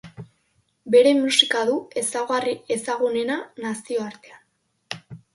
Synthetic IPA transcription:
be̞ɾe̞musikaðue̞saɣarie̞saɣune̞nanasio̞aɾt̪e̞an

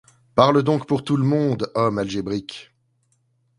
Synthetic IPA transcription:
paʁləd̪ɔ̃kpuʁt̪uləmɔ̃d̪ɔmalʒebʁik

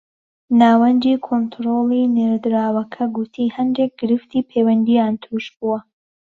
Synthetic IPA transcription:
naːwɐnd͡ʒiːkʰont̪ʰɾolˠineːɾd̪ɾaːwɐkʰɐɡut̪ʰiːhɐnd̪eːk̚ɡ̥ɨɾɨft̪iːpʰeːwɐnd̪ijaːnt̪ʰɾuːʃbuwɐ

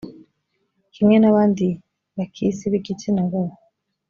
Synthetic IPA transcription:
kimŋe̞naβaːndi | βakʰisiβiɡitinaɡo

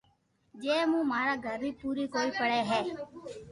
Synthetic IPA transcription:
d͡ʒeːmũːmaːɾaːɡʱəɾbiːpuːɾiːkoːiːpəɽeːɦɛː

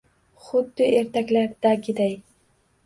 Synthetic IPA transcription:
χʊd̪ːɪeɾt̪ʰakʲlaɾd̪̥aɡʲɪd̪aj

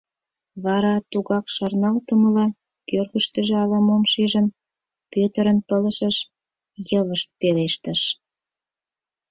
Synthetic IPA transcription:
βɑɾɑt̪uɣɑkʃɑrnɑlt̪əməlɑ | kørɣəʃt̪ə̆ʒeɑlɑmomʃiʒən | pøt̪əɾənpələʃəʃ | jəβəʃt̪̚peleʃt̪ə̆ʃ

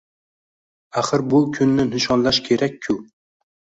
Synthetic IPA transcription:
aχɨɾbʊkʲʰʊnːɪnɪʃɒnlaʃkʲʰe̞ɾakʲʰːʊ

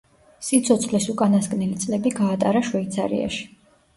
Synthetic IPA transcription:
sit̪sʰɔt̪sʰχlisukʼanaskʼnilit̪sʼlɛbiɡaːt̪ʼaɾaʃwɛit̪sʰa̰ɾḭa̰ʃi̥

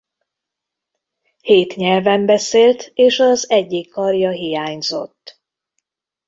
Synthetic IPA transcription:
heːt̪ɲɛlvɛmbɛseːlt̪eːʃɒzɛɟːikːɒrjɒɦijaːɲzo̞̰t̪ː

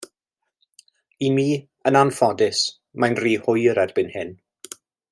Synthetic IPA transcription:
imiː | ənanfɔdɪs | manriːhʊjəɾɛrbɪnhɪn

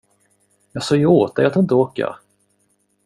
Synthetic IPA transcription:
jɑːsɔːjoːt̪̚ajat̪ɪnt̪əoːkəɑ̰

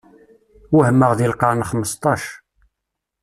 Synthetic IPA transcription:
uhəmːəʁðilqɑɾˤnχəmːəst̪ˤːɑʃ

